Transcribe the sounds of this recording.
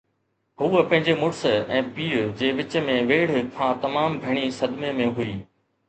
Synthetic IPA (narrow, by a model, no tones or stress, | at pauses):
ɦuːəpɐ̃ɦɪ̃ɲd͡ʑemʊɽsɛ̃ːpiːɾd͡ʑeːʋɪt͡ɕə̆mẽʋeːɽ̤kʰãːt̪ɐmaːmbʱɐɽ̃isɐd̪memẽɦʊiː